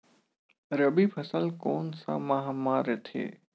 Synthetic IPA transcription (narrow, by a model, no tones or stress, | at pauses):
ɾəbiːpʰəsəlkoːnsã̰ːmaɦamaːɾet̪ʰḛː